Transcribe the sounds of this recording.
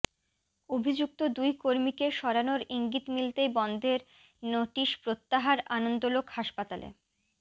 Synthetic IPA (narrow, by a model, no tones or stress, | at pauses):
obʱid͡ʑuk̚t̪od̪ujkoɾmikeʃɔɾanoɾiŋɡit̪milt̪ejbɔnd̪ʱeɾ | noʈiʃpɾot̪ːaɦaɾanond̪olokhaʃpat̪alḛ